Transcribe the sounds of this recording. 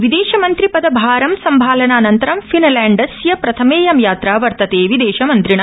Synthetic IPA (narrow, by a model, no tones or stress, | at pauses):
ʋid̪eːʃɐmɐnt̪ɾipɐd̪ɐbʱaːɾɐmsɐmbʱaːlɐnaːnɐnt̪ɐɾɐmfinɐlaːɳɖɐsjɐpɾɐt̪ʰɐmeːjɐmjaːt̪ɾaːʋɐɾt̪ɐt̪eːʋid̪eːʃɐmɐnt̪ɾiɳɐ